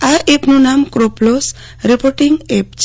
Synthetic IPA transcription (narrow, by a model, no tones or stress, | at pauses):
aɾʔepnunamkɾoplos | ɾipoɾʈiŋɡep̚t͡ʃ